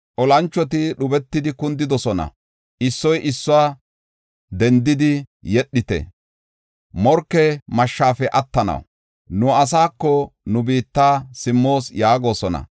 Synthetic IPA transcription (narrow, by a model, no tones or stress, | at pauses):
ʔɔlɐnt͡ʃːɔt̪̬ɪɗʊbɛt̪ːɪd̪ɪkʊnd̪ɪd̪ɔsɔnɐ̰ | ʔɪsːɔjʔɪsːɔwaː | d̪ɛnd̪ɪd̪ɪjɛɗːɪt̪ɛ̰ | mɔɾkːɛmɐʃːaːfɛʔɐt̪ːɐnɐ̰w | nʊɐs̬aːkːɔnʊbiːt̪ːaːsɪmːo̞ːsjaːɡo̞ːsɔnɐ̰